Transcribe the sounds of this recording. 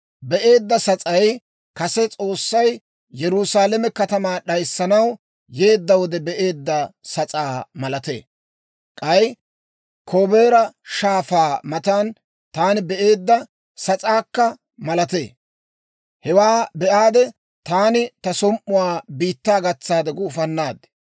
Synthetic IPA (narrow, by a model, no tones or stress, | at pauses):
bɛʔe̞ːd̪ːɐsɐt͡sʼɐj | kɐsɛt͡sʼo̞ːsːɐj | jɛɾʊsaːlɛmɛkɐt̪ɐmaːɗɐjsːɐnɐw | je̞ːd̪ːɐwɔd̪ɛbɛʔe̞ːd̪ːɐsɐt͡sʼaːmɐlɐt̪ḛː | kʼɐj | kʰoːbeːɾɐʃaːfaːmɐt̪aːn | t̪aːnɪbɛʔe̞ːd̪ːɐ | sɐt͡sʼaːkːɐ | mɐlɐt̪e̞̰ː | hɛwaːbɛʔaːd̪ɛ | t̪aːnɪt̪ɐsɔmʔʊwaːbiːt̪ːaːɡɐt͡sːaːd̪ɛɡʊːfɐnːaːd̪ɛ̥